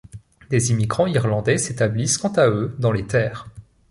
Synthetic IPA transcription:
d̪ezimiɡʁɑ̃iʁlɑ̃d̪ɛset̪abliskɑ̃t̪aød̪ɑ̃let̪ɛːʁ

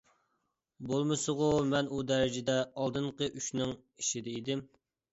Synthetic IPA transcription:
bolˠmɨsɨʁʊmɛnud̪æɾɪd͡ʒɪd̪ɛɑlˠd̪ɨɴqəʔyʃnɪŋiʃid̪ɪid̪ɪm

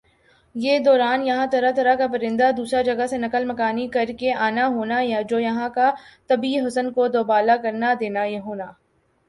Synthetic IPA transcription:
jeːd̪ɔːɾaːnjɐɦãt̪ɐɾat̪ɐɾakapɐɾɪ̃nd̪ad̪uːsɾad͡ʒɐɡasenɐkəlmɐkaːnikɐɾkeaːnaɦoːnajad͡ʒoːjɐɦãkat̪ɐbiɦʊsənkod̪oːbaːlakɐɾnad̪eːnaeɦoːnaː

